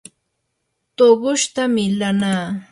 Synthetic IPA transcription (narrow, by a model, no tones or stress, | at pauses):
t̪obʊʃt̪amɪlanaː